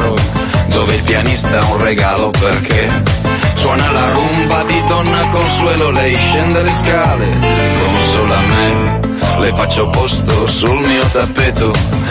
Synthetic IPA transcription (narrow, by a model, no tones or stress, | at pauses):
ɾod̪oːveilpjanist̪aunreɡaːloperkʰe | swɔːnalaɾumbad̪id̪ɔnːakolnswɛːlolejʃːɛnd̪aleskaːle | komsolame | lefat͡ʃːopɔst̪osulmiːot̪apːeːt̪o